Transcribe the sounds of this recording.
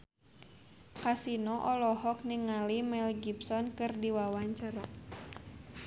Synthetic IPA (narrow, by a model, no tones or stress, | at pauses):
kasinɔʔɔlɔɦɔk̚niŋalimɛlɡipsɔnkɨrdiwawaɲt͡ʃaɾa